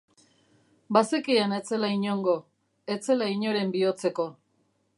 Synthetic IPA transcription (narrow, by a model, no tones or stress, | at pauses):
basekianet͡se̞laiɲo̞ŋɡo̞ | e̞t͡se̞laiɲo̞ɾe̞mbio̞t͡se̞ko̞